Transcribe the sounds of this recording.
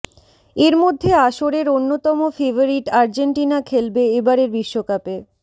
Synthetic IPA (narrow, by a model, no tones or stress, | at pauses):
eɾmod̪ʱːeaʃoɾeɾonːot̪ɔmofebʱoɾiʈaɾd͡ʑeɳʈinakʰelbeebaɾeɾbiʃːokape